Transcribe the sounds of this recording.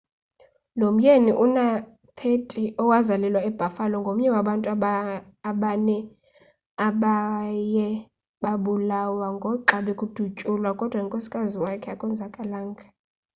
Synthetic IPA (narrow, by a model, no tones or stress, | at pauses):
nom̩jeniʔuna | t̪ʰetʼiʔɔwazalɛlwaɛb̥ʱafalɔŋɡʱom̩ɲɛwaɓantʼu | aɓanɛ | aɓajɛ | ɓaɓulawaŋɡʱɔǁaɓɛkʼud̥ʱut͡ʃʼulwakʼɔd̥ʱwaiŋkʼosi̥kʼaziwakʰɛakʼɔnd͡zʱakʼalaːŋɡʱa